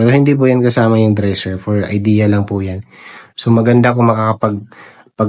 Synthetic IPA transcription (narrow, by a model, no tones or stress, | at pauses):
pɛːɾohɪnd̪iːp̬ʊjankɐsaːmɐjʊŋd̪ɾɛsɛɹfoɹɐ̰jd̪iːjɐlɐŋpʊjansomɐɡɐnd̪akʊŋmɐkakɐpɐɡ̚ | pɐɡ